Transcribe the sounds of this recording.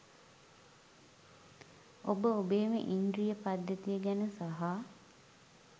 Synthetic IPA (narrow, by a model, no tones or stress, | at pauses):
obəobeːmə̰ʔindɾijəpad̪jət̪ijəɡænəsaɦa